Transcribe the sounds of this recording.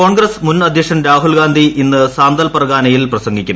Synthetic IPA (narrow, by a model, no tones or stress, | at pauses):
o̞ːɳɡɾɐsmunːɐd̪ʱjɐkʂɐnɾaːɦulɡaːnd̪ʱiʔinːɨsaːnd̪ɐlpɐrɡaːnɐjilprɐsɐŋɡikʲːumː